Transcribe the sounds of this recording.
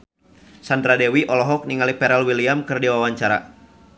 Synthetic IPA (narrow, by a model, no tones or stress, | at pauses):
sand̪ɾadɛwiʔɔlɔɦɔk̚niŋalipɛɾɛlwiliamkɨrdiwawaɲt͡ʃaɾa̰